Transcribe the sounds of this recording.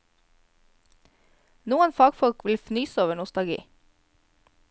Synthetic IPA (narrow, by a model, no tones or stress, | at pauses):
nuːənfɑːɡfɔlkʋɪlfnyːsoːʋəɳʊst̪ɑlɡḭː